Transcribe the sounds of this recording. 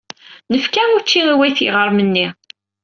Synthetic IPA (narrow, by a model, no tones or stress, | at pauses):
nəfkæʊɾt͡ʃːiiwæjθḭʁəɾˤmənːi